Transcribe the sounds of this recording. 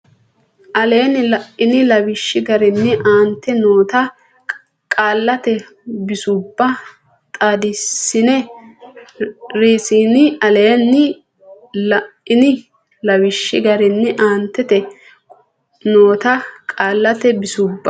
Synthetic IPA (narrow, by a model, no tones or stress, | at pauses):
ʔɐleːnɪlɐʔɪnɪlɐwɪʃːɪɡɐɾɪnːɛʔaːnt̪ːɛnoːt̪ɐ | kʼaːlːɐt̪ɛ | bɪsʊbːɐ | t̪ʼaːd̪ɪsːɪnɛ | ɾiːsiːnɪɐleːnːɪ | lɐʔɪnɪ | lɐwɪʃːɪɡɐɾɛnːɛʔaːnt̪ːɛt̪ɛ | noːt̪ɐkʼaːlːɐt̪ɛbɪsʊbːɐ